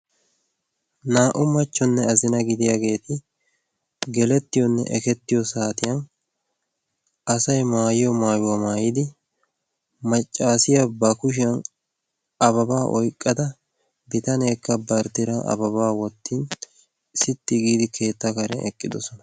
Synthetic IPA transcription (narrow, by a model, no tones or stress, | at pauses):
naːʔʊmɐt͡ʃːɔnːɛɐzɪnɐɡɪd̪ɪjaɡe̞ːt̪ʰɪ | ɡɛlɛt̪ːɪjɔnːɛ̰ʔɛkɛt̪ːɪjɔsaːt̪ɪjɐn | ɐsɐjmaːjɔmaːjʊwɐmaːjɪd̪ɪ | mɐt͡ʃʼːaːsɪjɐbɐkʊʃ̬ɪjɐn | ɐbɐbaːʔɔjkʼːɐd̪ɐ | bɪt̪ɐneːkːɐbɐɾt̪ɪɾɐnɐ̰bɐβaːwɔt̪ːiːn | sɪt̪ːɪɡiːd̪ɪkʰe̞ːt̪ːakɐɾɛ̰ʔɛkʼːɪd̪ɔsɔnɐ̥